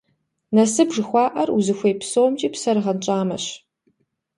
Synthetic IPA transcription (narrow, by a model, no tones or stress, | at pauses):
nɐsɨbʐɨxʷɑːʔɐruzɨxʷejpsoːmt͡ʃʼiːpsɐrʁɐnt͡ʃʼaːmɐ̰ɕ